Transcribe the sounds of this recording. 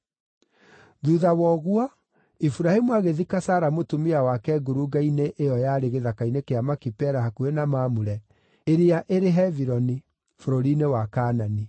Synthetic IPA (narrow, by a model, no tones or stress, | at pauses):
ðuðawɔɣwɔ | ifuɾahemuaɣeðikasaːɾamotumeawakɛɡoɾuɡaineʔejɔjaɾeɣeðakainekeamakipɛɾahakuenamaːmuɾɛ | eɾeaʔeɾeɦɛviɾɔni | foɾoɾinewakanani